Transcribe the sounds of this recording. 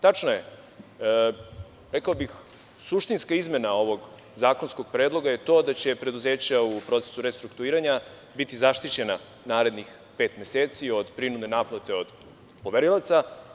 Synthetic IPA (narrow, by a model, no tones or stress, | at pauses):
t̪at͡ʃnaje | ɾekaobix | suʃt̪inskaizme̞nao̞ʋo̞ɡ | zaːko̞nsko̞ɡ̥̚pɾeːd̪lˠo̞ɡaje̞t̪o̞ːd̪at͡ɕe̞pɾe̞d̪uze̞ːt͡ɕaupɾo̞t̪se̥suɾest̪ɾukt̪uiːɾaɲa | bit̪izaʃt̪it͡ɕe̞na | naːɾe̞d̪nix | pe̞ːt̪mʲjeseːt̪sio̞d̪pɾinud̪ne̞naːplot̪e̞o̞d̪ | po̞ʋeɾilˠat̪sa